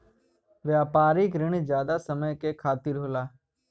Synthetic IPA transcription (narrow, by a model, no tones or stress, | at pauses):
ʋjaːpaːɾɪk̬ɾɪɳ̃d͡ʒjaːd̪asəməjkekʰaːt̪ɪɾɦoːlaː